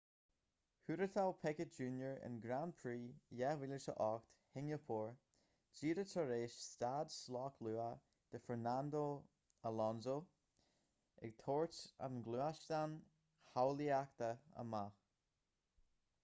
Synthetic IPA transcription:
hʉɾət̪ʰawpʰɛkət̚d͡ʒuːnjəɹɪ̰nɡɾanpʰɹiːjɛwɪləʃə̰ʔɔkt̪hɪŋəpʰɔːɹ | d͡ʒiːɾətʰəɾeːʃst̪aːd̪slɑːkʰluːa | d̪̥əfɛɹnand̪o | əlɔnzo | ɪ̰ɡ̚t̪ʰoːɹt͡ʃa̰nɡluːaʃt̪an | hawliakt̪əə̰ma

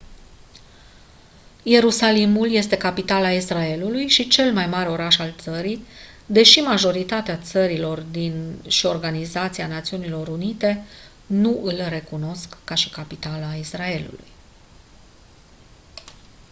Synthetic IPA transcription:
je̞ɾusalimulje̞st̪e̞kapit̪alaisrae̞lulujʃit͡ʃe̞lmajmaɾe̞o̞ɾaʃalt̪səɾi | d̪e̞ʃimaʒo̞ɾit̪at̪eat̪səɾilo̞rd̪inʃio̞rɡanizat̪sianat̪siunilo̞ɾunit̪e̞ | nuʔɨlre̞kuno̞skːaʃi̥kapit̪alaisrae̞lṵlṵj

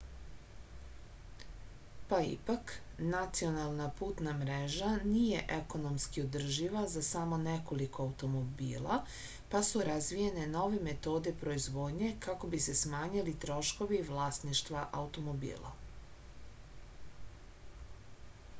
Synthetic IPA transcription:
paḭpak | nat̪sio̞nalˠnapuːt̪namɾeʒanije̞ʔeko̞no̞mskiod̪r̩ʒiʋazasamo̞ne̞ko̞liko̞auwt̪o̞mo̞bḭːlˠa̰ | pasuɾazʋije̞ne̞no̞ʋe̞me̞t̪o̞ːd̪e̞pɾo̞izʋo̞ːd̪ɲe̞kako̞bise̞smaːɲilit̪ɾo̞ʃko̞ʋiːʋlˠaːst̪niʃt̪ʋaʔaut̪o̞mo̞bḭːlˠa̰

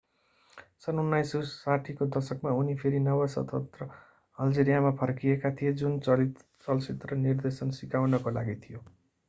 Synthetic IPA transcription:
sʌnunːajsusaʈʰikod̪ʌrsʌkmaunipʰeɾinʌwasʌ̰t̪ʰʌt̪rʌ | ʌld͡zeɾijamapʰʌrkijekat̪ʰijed͡zunt͡sʌi | t͡sʌlsit̪rʌnird̪esʌnsikawnʌkola̰ɡit̪ʰijo

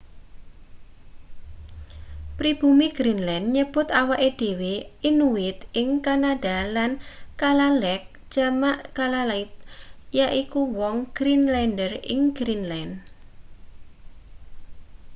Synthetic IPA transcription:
pɾib̥umiɡ̥ɾinlɛnɲəb̥ʊt̪awaʔed̥eweinuɪt̪ɪŋkanaɖ̥alankalalɛk̚ | ʒ̥amaʔkalalaɪt̪̚jaʔikuwɔŋɡ̥ɾinlɛndərɪ̰ŋɡɾinlɛn

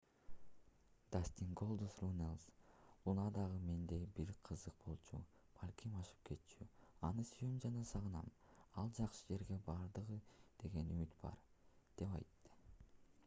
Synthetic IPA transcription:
d̪̥asʲt̪ʲiŋɡo̞lˠd̪usrunelˠslˠunɑd̪ɑʁɯme̞nd̪e̞jbiɾqʰɯzɯq̚b̥o̞lˠt͡ʃu | b̥ɑlʲkʲʰimɑʃɯ̥p̚ke̞t̪t͡ʃʰyɑnɯsyjymd͡ʒɑnɑsɑʁɯnɑmɑlˠd͡ʒɑqʃɯd͡ʒe̞ɾɡe̞bɑɾd̪ɯʁɯd̪̥e̞ɡe̞nymyt̪b̥ɑ̰ɾd̪̥e̞pɑ̰jt̪ːɯ̥

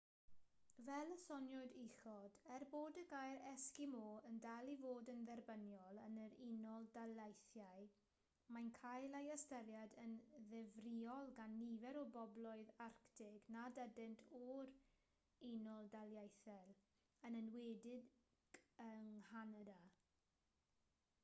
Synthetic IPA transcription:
vɛlˠəsɔnjɔdixɔd̥ɛrboːdəɡajɾɛskɪmoːəndalˠivoːdənðɛrbənjɔlˠənəɾinɔlˠdalˠajθjaj | mankʰajlajəstəlˠjadənðɛvriɔlˠɡanːivɛɾɔbɔblɔɨðarktʰɪɡnadɛdɪntʰɔɾ | inɔlˠdalˠjajθɛlˠ | ənənwɛːdɪd | ɡ̥əŋhanada

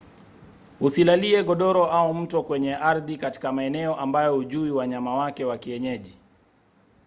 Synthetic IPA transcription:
husilaliɛɠɔɗɔɾɔʔaum̩tɔkwɛɲɛʔaɾðikati̥kamaɛnɛɔʔambajɔhuʄuiwaɲamawakɛwakiɛɲɛʄi

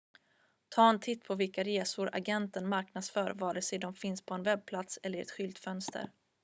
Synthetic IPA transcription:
t̪ʰɑːɛnt̪ʰɪt̪ːpʰɔvɪlkaɾeːsʊɾa̰ɡɛnt̪ənmaɾknad̪sfœːɾvɑːɖɛsɛd̪ɔmfɪnspʰɔɛnvɛb̚pʰlat̪sɛlːəɾɛ̰t̪ɧʏlt̪fœnst̪ʰə̰ɾ

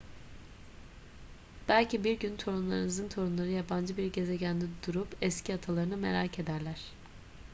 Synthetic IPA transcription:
b̥ælʲcʰibiɾɟynt̪ʰo̞ɾumlˠaɾɯnɯzɯnt̪ʰo̞ɾunlˠaɾɯjaband͡ʒɯbiɾɟe̞ze̞ɟænd̪id̪uɾupɛscʰiat̪ʰalˠaɾɯnɯme̞̰ɾaːcʰe̞d̪æɾlʲæɾ̝̥

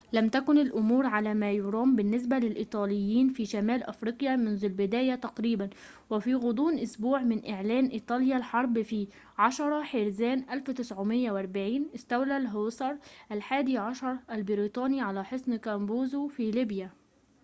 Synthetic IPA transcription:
læmt̪ækʊnɪlʔʊmuːɾʕalæːmæːjʊɾˤɑːmbɪnːɪs̬bælɪlʔiːt̪ˤɑːlɪjːiːnfiːʃamæːlʔafɾiːqjamʊnzʊlbɪd̪æːjat̪ɑqɾiːban | wɪfiːɣʊd̪ˤuːnʔʊsbuːʕmɪnʔɪʕlæːnʔiːt̪ˤɑːljalħɑɾˤbfi | ʕɑʃɑɾˤɑħeɾzæːnʔælft̪ɪsʕʊmɪjːawʔɑɾˤbaʕiːnʔɪst̪æwlælɦoːsˤɑɾˤʔælħaːd̪iʕɑʃɑɾˤʔalbɪɾiːt̪ˤɑːniʕalæħosˤnkæmbuːzufiːliːbja

